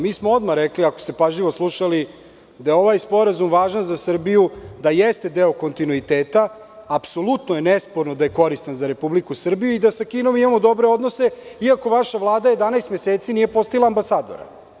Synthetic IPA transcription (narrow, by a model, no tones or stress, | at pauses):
miːsmoo̞d̪maɾekliakost̪e̞paʒʎiʋoslˠuʃali | d̪ajeo̞ʋajspo̞ɾazumʋaːʒanzasr̩bijud̪ajest̪e̞d̪eoko̞nt̪inuit̪eːt̪aː | pso̞lut̪noje̞nespo̞ɾnod̪ajeko̞ɾist̪anzaɾe̞publikusr̩bijuid̪asakiːno̞mimamod̪o̞bɾeo̞d̪nose̞iako̞ʋaʃaʋlˠaːd̪aje̞d̪anajst̪meseːt̪sinije̞po̞st̪ajlˠaːmbasaːd̪o̞̰ɾa̰